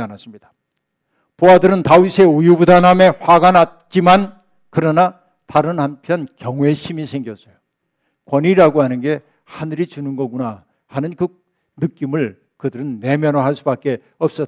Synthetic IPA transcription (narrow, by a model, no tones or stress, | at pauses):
anas͈ɯmɲid̥ḁ | poadɯɾɯntaisʰe̞ujubudaname̞ɸaɡanat̚t͡ɕ͈iman | kɯɾʌna | taɾɯnhampʰjʌnkjʌŋwe̞ɕʰimisʰe̞ŋɡjʌs͈ʌjo | kwʌniɾaɡohanɯnɡe̞ | hanɯɾit͡ɕunɯnɡʌɡuna | hanɯnkɯ | nɯk͈imɯɭ | kɯdɯɾɯnːe̞mjʌnoɦaɭs͈ubak͈e̞ | ʌp̚s͈ʌ